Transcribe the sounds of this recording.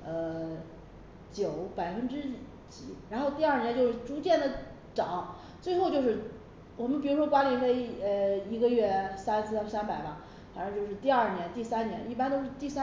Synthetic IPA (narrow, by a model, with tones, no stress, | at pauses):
ə˧ | t͡ɕjo˨˩˦ʊpa˨˩ɪfə˥nʈ͡ʂɻ̩˥ | t͡ɕi˨˩˥ɻa˧˥nxo˥˧ʊt̪i˥˧a˥˩nɛ˧˥nt͡ɕjo˥˧ʊʂɻ̩˥˩ʈ͡ʂu˧˥t͡ɕjɛ˥˩nd̪ə˩ | ʈ͡ʂɑ˨˩˦ʊ | t͡swe˥˧ɪxo˥˧ʊt͡ɕjo˥˧ʊʂɻ̩˥˧˩ | wɔ˨˩mə˦npi˨˩ɻu˧˥ʂwɔ˥kwa˥li˧˥ŋxe˥˩ɪə˧˩i˧˥ɡə˧ɥɛ˥˩sa˥ns̩˥˧a˥sa˥npa˨˩ɪbɐ˦ | fa˨˩nʈ͡ʂŋt͡ɕjʊʂɻ̩˥˧t̪i˥˧ɐ˞˥˩njɛ˧˥nt̪i˥˩sa˥nnjɛ˧˥ni˥˩pa˥nt̪o˥ʊʂɻ̩˥˧t̪i˥˩sa˥